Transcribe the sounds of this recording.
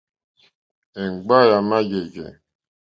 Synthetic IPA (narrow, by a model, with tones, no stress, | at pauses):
e˨ŋ̩˨ɡ͡ba˦˨ja˨ma˦d͡ʒe˨ɡḛ˨